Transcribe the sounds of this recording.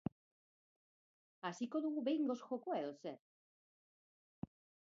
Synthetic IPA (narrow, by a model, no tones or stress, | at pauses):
asikoðuuβeŋɡosxokweðose